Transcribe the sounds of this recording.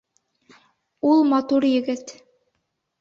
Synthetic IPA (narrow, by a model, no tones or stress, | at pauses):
ulˠmɑt̪uɾjɘ̆ɡɘt̪